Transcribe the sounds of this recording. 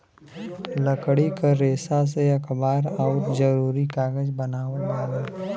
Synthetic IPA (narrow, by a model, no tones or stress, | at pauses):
ləkɽikaɾeːsas̬eɐkʰbaːɾaʊʈd͡ʒəɾuːɾikaːɡəd͡ʒbɐnaːʋət̪mãːɡeː